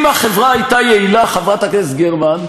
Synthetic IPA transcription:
mhaχevʁaːjt̪ajeilaχavʁat̪akesɡeʁman

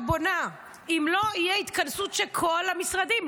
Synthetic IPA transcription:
bona | imlo̞ijeit̪kansut̪ʃelkʰolamisʁad̪im

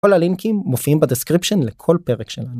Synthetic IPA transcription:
ko̞laliŋkimːofiimbad̪eskʁipʃonlekʰo̞lpe̞ʁekʃelanu

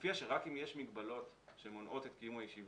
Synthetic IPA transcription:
fiaʃeʁakimjeʃmiɡbalo̞tʃeemonʔo̞t̪et̪kijumajeʃiv

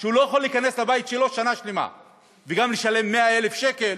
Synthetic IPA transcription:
ʃeulojaχolːiːkane̞slabait̪ʃelo̞ʃanaʃlema̰ | veɡamleʃale̞mːe̞ae̞le̞fʃe̞kel

